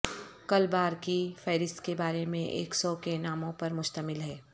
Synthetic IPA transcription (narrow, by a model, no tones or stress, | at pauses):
kɐlbaːɾkifɛːɾɪst̪kebaːɾemẽʔḛːksɔːkenaːmõpɐɾmʊʃt̪əmɪlɦɛː